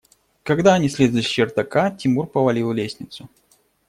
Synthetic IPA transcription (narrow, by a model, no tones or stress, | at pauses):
kɐɡd̪aɐnʲisʲlʲizəɕɪrt̪ɐkatʲɪmurpəvɐlʲilˠlʲesʲnʲɪt̪sʊ